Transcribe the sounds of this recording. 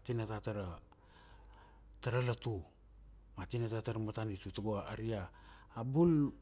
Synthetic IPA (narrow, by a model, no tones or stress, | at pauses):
atinatataɾa | taɾalatu | matinatataɾamatanitutaɡoaaɾiaː | bul